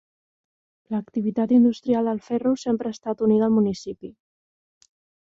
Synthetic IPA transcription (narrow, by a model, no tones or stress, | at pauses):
ləkt̪iβit̪at̪ind̪ust̪ɾialˠd̪əlˠfɛrusempɾəːst̪at̪uniðəlˠmunisipi